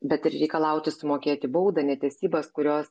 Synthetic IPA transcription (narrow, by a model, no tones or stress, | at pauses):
bʲɛt̪ɪɾɾʲɛɪkɐlˠɐʊt̪ʲɪsʊmoːkʲeːt̪ʲɪbɐʊd̪ɐnʲɛt̪ʲeɛsʲiːbɐskʊɾʲoːs